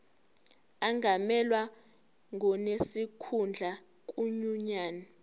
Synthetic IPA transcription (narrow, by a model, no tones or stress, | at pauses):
aŋamɛlwa | ŋʱɔnesikʰund͡ɮʱa | k̬ʼuɲuɲaːni